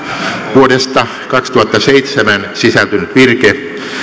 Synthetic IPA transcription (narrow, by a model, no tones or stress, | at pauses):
ʋuodest̪ɑ | kɑkst̪uhɑt̪ːɑseit̪semænsisælt̪ynyt̪ʋirke